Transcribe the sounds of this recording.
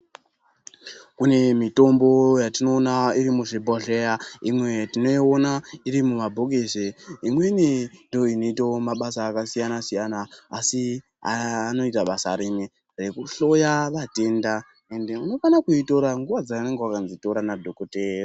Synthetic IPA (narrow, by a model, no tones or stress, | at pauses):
kune̞mito̞mbo̞jatino̞ːnaiɾimuʐibʱoɮe̞jaimwe̞tino̞ionaiɾimumabʱoɡʱeseimwe̞nindo̞inoitomaɓasaːkasijanasijanaːsi | aano̞itaɓasa̰ɾine | re̞kuɬo̞jaʋate̞nda | e̞nde̞uno̞fanakuito̞ɾaŋɡuʋad͡zaːne̞ŋɡewakanzito̞ɾanadʱokoteːro